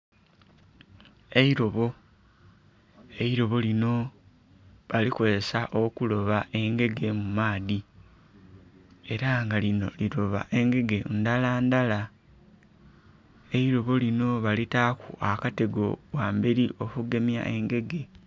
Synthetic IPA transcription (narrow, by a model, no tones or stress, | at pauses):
e̞iɾo̞βo̞ | e̞iɾo̞βo̞lino̞ | βalikozesaʔo̞kulo̞βaʔe̞ŋɡe̞ɡe̞mumaːði | e̞ɾaŋɡalino̞̰liɾo̞βa̰ʔe̞ŋɡe̞ɡe̞ndalaːndala | e̞iɾo̞βo̞lino̞βalitakṵʔakate̞ɡo̞̰waːmbeɾio̞kuɡemja̰ʔe̞ŋɡe̞ɡe̞